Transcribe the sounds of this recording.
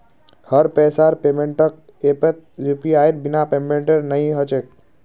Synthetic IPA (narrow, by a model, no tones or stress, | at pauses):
həɾpɛːsaːɾpeːmẽɳʈək̚ | epet̪̚jupiaːjɾ̚binapemẽɳʈeɾnəɦĩɦət͡ʃek̚